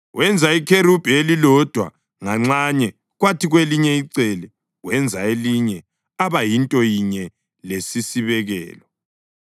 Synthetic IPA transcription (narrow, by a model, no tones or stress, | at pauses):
wʔɛnd͡zʱaikʰeɾub̥ʱelilɔd̥ʱwa̰ | ŋaŋ͡ǀaɲɛ | ɣwatʰiɣweliɲɛiǀɛlɛ | ɣwɛnd͡zʱaeliɲɛ | aβajintʼɔjiɲɛ | lesisiβɛɣɛ̰ːlɔ